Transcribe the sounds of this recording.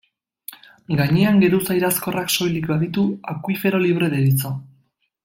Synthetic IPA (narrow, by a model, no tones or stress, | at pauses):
ɡaɲeaŋɡe̞ɾusajɾasko̞rakso̞jlikbaðit̪uakwife̞ɾo̞liβ̞ɾe̞ðeɾit͡so̞